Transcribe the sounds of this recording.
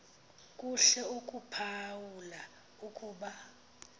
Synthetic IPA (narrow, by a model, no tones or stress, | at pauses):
k̬ʼuɬɛukʼupʰawula | ukʼuːɓa